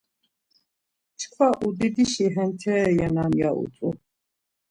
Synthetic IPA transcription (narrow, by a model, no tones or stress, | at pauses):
t͡ʃʰkʰvaʔud̪id̪iʃiɦɛnt̪ʰɛjanamja̰ʔṵt͡s̪ʼu